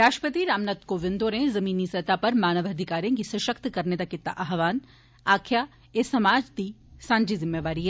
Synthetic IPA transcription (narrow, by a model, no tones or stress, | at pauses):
ɾaːʃʈəpət̪iɾaːmnət̪koʋɪ̃nd̪oɾẽzɐmiːnisɐt̪apɐɾmaːnəʋɐd̪ʱɪkaːɾijõkisɐʃəkt̪kɐɾned̪akɪt̪ːa̰ʔɐɦʋaːn | aːkʰja | esɐmaːd͡ʒd̪isãːɲd͡ʒizɪmːeʋaːɾiɦɛ